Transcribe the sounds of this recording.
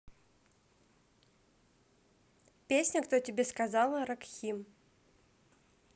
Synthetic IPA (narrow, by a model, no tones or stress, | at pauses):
pʲesʲnʲəkt̪otʲɪbʲeskɐzalˠəɾɐkxʲim